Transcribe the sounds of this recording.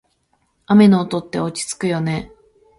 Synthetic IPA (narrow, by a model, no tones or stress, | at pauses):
ame̞noːt̪o̞t̪ːe̞o̞t͡ɕi̥t͡sɨ̥kɯ̟jo̞ne̞